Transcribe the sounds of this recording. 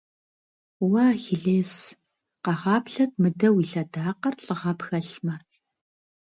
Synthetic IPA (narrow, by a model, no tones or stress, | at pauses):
wɑːxiɮeːs | qɑʁɑːpɬɐt̚ʰmɨdɐwiːɬɐdaːqɐrɬʼɨʁɑpxɐɬmɐθ